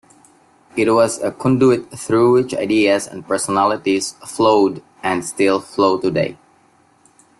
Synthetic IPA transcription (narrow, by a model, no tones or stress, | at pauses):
ɪt̚wɔzəkʰɔ̃nduɪt̚θɹuwɪt͡ʃa̰ɪdiəzɛ̰̃npə˞sənælɪtiz̥floʊd | ɨ̃nstɪlˠfloʊtudḛɪ